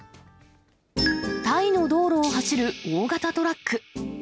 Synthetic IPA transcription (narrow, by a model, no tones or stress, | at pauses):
t̪aino̞d̪o̞ːɾo̞ːɦaɕiɾɯ̟oːɡat̪at̪o̞ɾakːɯ̟